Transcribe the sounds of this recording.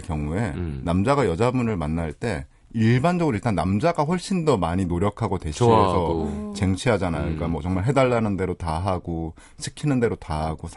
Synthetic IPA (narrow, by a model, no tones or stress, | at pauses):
kjʌŋue̞namd͡ʑaɡajʌd͡ʑabunɯɭmanːaɭt͈e̞ | iɭband͡ʑʌɡɯɾoiɭt͈anːamd͡ʑaɡaɸwʌɭɕ͈indʌmaɲinoɾjʌkʰaɡodwe̞ɕʰisʰʌt͡ɕe̞ŋt͡ɕʰiɦad͡ʑanajo̰ik͈amʌt͡ɕʌŋmaɭɦe̞daɭːanɯnde̞ɾotaɦaɡo | ɕʰikʰinɯnde̞ɾotaɦaɡosʰ